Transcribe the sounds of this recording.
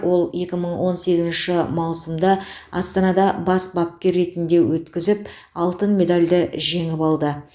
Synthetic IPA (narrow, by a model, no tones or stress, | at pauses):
wʔo̞lˠje̞kʲɪməɴwo̞nse̞ɡʲɪzɪnʃɪmɑwsəmd̪ɑɑst̪ɑnɑd̪ɑbɑsbɑp̚kʲe̞ɾːe̞t̪ɪnd̪e̞wɵt̪kʲɪzɪp̚ | ɑlˠt̪ənmʲe̞d̪alʲd̪ɪʒe̞ŋɪpɑlˠd̪ə